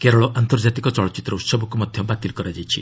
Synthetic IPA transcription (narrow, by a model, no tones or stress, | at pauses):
keɾɔɭɔʔant̪ɔɾd͡ʒat̪ikɔt͡ʃɔɭɔt͡ʃit̪ːɾɔut̪sɔbɔkumɔd̪ʱjɔbat̪ilkɔɾad͡ʒajt͡ʃʰḭ